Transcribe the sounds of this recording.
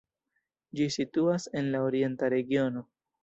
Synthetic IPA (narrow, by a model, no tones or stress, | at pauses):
d͡ʒisituase̞nlaoɾje̞ntaɾe̞ɡio̞no̞